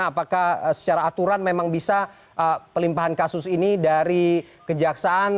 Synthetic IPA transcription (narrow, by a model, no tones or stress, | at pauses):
apakahsə̥t͡ʃaɾaːt̪uɾanmemaŋbisa | ʔəpəlimpaɦankasʊsinidaɾi | kəd͡ʒaksaʔan